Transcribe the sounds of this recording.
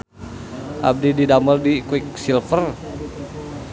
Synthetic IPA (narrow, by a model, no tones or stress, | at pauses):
ʔa̰b̚dididaməldikwik̚silfər